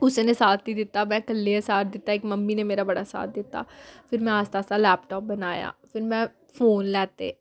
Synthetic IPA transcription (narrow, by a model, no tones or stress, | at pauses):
kʊsenesaːt̪ʰːid̪ɪt̪ːaːmɛ̃ːkəlːeesaːɾd̪ɪt̪ːaekməmːinemeːɾaːbəɽasa̰ːt̪̚ʰd̪ɪt̪ːa̰ːpʰɪɾmɛ̃ːaːst̪aːsalɛːpʈɔːp̚bənaːja̰ːpʰɪɾmɛ̃ː | fʰoːnlɛːt̪ḛː